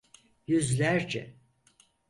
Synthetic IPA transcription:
jyzlʲæɾd͡ʒɛ̰

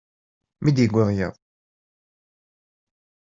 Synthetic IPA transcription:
mid̪jəɡʷəðˤjə̰ðˤ

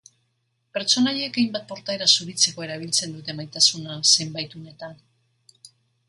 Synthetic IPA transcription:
pe̞ɾt͡so̞naʎekejmbat̪̚po̞ɾt̪ae̞ɾasuɾit͡se̞ko̞e̞ɾaβ̞ilt͡se̞nd̪ut̪e̞majt̪asunase̞mbajt̪une̞t̪an

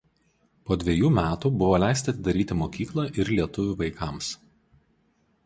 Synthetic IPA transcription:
poːd̪ʲʋʲɛjuːmʲæːt̪uːbʊʋoːlʲæˑɪsʲt̪ʲɪɐt̪ʲɪd̪ɐɾʲiːt̪ʲɪmoːkʲiːklˠɐʔɪɾlʲiɛt̪ʊʋʲuʋɐɪkɑˑms

